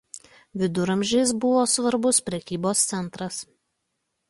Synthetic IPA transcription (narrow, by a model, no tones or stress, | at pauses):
ʋʲɪd̪ʊɾɐmʲʒʲɛɪs̬bʊʋoːsʋɐɾbʊspʲɾʲɛkʲiːboːst̪sʲɛnˑt̪ɾɐs